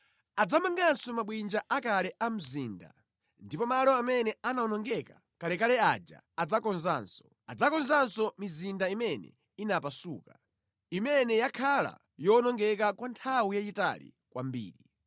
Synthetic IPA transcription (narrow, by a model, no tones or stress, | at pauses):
ad͡zamaŋɡansɔmaɓwind͡ʒaʔakalɛʔam̩ziːnda̰ | ndipɔmalɔamɛnɛanaɔnɔŋɡɛka | kalɛkalɛad͡ʒa̰ | ad͡zakɔnzaːnsɔ̥ | ad͡zakɔnzansɔmizindaimɛnɛ̰ | inapasṵːka | imɛnɛjakʰala̰ | jɔnɔŋɡɛk̬akwantʰawujat͡ʃita̰lḭ | kwa̰mbḭːɾi